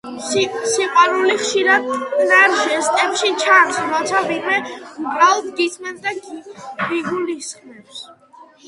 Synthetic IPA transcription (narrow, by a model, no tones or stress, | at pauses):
siqʼwaɾuliχʃiɾad̪naɾʃɛst̪ʼɛpʃit͡ʃʰansɾɔt̪sʰavimɛmqʼɾalˠd̪ɡisʰmɛnd̪aɡɡiɡulisχmɛps